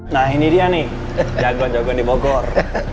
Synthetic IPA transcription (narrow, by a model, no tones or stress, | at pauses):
naɦiniɾiane | d͡ʒaɡɔnd͡ʒɔɡɔnibɔɡɔɾ